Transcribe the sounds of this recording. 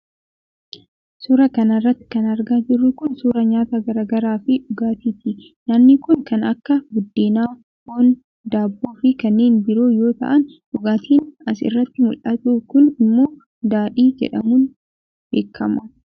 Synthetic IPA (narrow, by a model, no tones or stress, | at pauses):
suɾɐkɐnɐɪrːɐt̪ːɪ̥kɐnɐɾɡaːd͡ʒɪrːʊkʊnsuːɾɐɲaːt̪aɡɐɾaːɡɐɾaːfɪᶑʊɡaːt̪iːt̪ɪ | nɐmnɪkʊŋkɐnɐkːɐɡʊd̪ːeːnaː | oːn | d̪aːbːoːfɪkɐnːe̞ːnbɪɾo̞ːjo̞ːt̪ɐ̰ʔɐn | ᶑʊɡaːt̪iːnɐsɪ̰rːɐt̪ːɪmʊlɐt̪uːkʊnɪmːoː | d̪aːᶑiːd͡ʒɛ̰ᶑɐmuːn | b̥eːkʰːɐmɐ